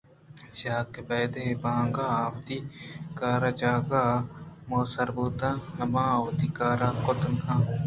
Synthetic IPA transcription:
saːkebeːd̪ebaːŋɡaːʋd̪ikaːɾad͡ʒaːɡamoːsɐɾbuːt̪anɐmãːwd̪ikaːɾakʊt̪nkʰãː

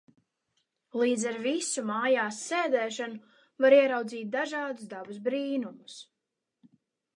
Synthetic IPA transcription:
lˠiːd̪zaɾvisumaːjaːsːeːd̪ɛːʃanu | vaɾiɛɾawd̪ziːt̪̚d̪aʒaɑːd̪uzd̪abusbɾiːnumus

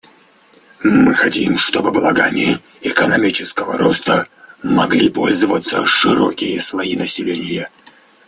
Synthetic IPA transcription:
mɨxɐtʲimʂt̪o̞bɨblˠɐɡamʲɪ | ɪkənɐmʲit͡ɕɪskəvə̰ɾost̪əmɐɡlʲipo̞̰lʲzəvət̪səʂɨɾokʲɪjəsvɐinəsʲɪlʲenʲɪjə

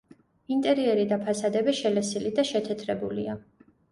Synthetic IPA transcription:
int̪ʼɛɾiɛɾid̪apʰasad̪ɛbɛʃɛlɛsilid̪aʃɛt̪ʰɛt̪ʰɾɛbulia

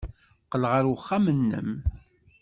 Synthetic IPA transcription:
qəlʁəɾwəχːamənːə̰m

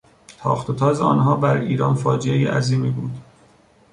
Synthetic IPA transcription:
t̪ʰɒ̰ːxt̪ʰot̪ʰɒːzeɒ̰ːnɦɒːbæɾiːɾɒːnfɒːd͡ʒeejiʔæ̰ziːmiːbuːd̪

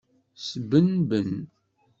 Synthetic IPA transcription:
sbənbən

